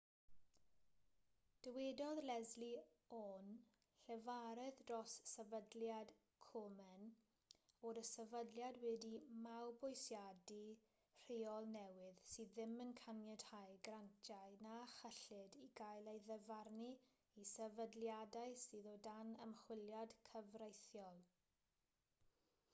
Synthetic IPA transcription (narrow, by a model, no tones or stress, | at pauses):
d̥əwɛdɔðlɛzli | ɔn | ɬɛvaɾɛðdrɔsːɛvədljad̥ | kʰɔmɛn | ɔɾəsɛvədljadwɛdimawbɔjsjadi | r̥eːɔlˠnɛwɪðsɨːðːɪmənkʰanjɛd̥hajɡrantʰjaɨnaχəɬɪdiɡajlˠejðɛvarni | isɛvədlˠjadajsɨːðɔdanə̰mχwɪljad̥kʰəvrejθjɔlˠ